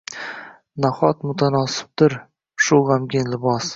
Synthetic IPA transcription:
naχɒt̪mʊt̪ʰanɒsɪ̥b̚d̪ɪɾ | ʃʊʁamɡʲɪnlɪbɒs

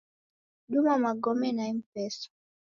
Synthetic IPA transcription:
ɗumamaɡɔmɛnaim̩pɛsɔ̥

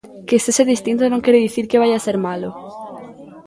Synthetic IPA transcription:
kest̪eseðist̪int̪onõŋkeɾeðiθiɾkeβ̞ajaseɾmalo

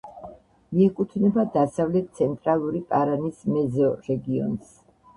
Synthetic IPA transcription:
miɛkʼut̪ʰnɛbad̪asavlɛt̪̚t̪sʰɛnt̪ʼɾalˠuɾipʼaɾanismɛzɔɾɛɡiɔ̰ns

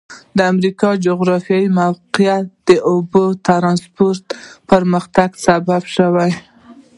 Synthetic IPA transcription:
d̪əamɾikɑd͡ʒoɣɾɑfjɑjimawqɪjat̪̚d̪əʔobot̪aɾɑnspoɾt̪pəɾməxt̪aɡsababʃəwaj

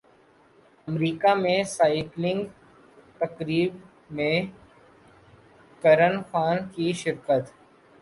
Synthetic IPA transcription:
ɐmɾiːkamẽsaːɪklɪ̃ŋɡ | t̪ɐkɾiːb | mẽ | kɐɾənxaːnkiʃɪɾkət̪

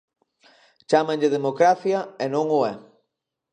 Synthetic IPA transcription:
t͡ʃamẽɲʎɪð̞emokɾaθjɐenõŋʊɛ

